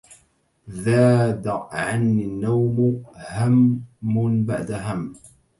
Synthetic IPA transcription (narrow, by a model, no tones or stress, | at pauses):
ðaːd̪ʕanːinːawmhamːnba̰ʕd̪aɦamː